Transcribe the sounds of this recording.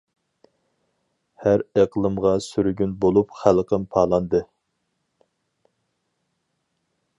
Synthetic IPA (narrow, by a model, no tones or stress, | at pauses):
hæɾeqlˠɨmʁɑsyɾyɡʲynbolˠupχælˠqəmpʰɑːlˠɑnd̪ɨ